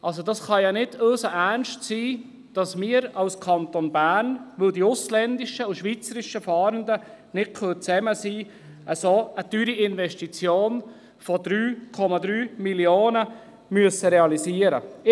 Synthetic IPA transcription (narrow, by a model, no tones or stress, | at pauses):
ʔɑls̬odɑsχɑjɑnɪdøːsəʔænʃtsiː | d̥ɑsmiːəɾɑʊskʰɑnt̪onbæːɾnʋɵldiʊslɛnd̪ɪʃəuʃʋiːt͡səɾɪʃəfɑːɾənd̪ənɪkʰøt͡sɛməsiː | ʔəsoːətyːɾiɪnvɛʃtit͡sjoːn | fɔd̥ɾyːkʰɔmɑd̪ɾyːmiljoːnə | myəsəɾɛɑlisiːəɾə